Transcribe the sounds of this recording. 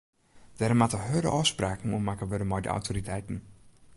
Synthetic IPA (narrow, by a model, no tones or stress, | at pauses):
d̥ɛrəmatəɦødə̰ʔɔspraːkn̩umakəʋødəmɔjdə̰ʔa̰wtʰoɾitʰɛjtn̩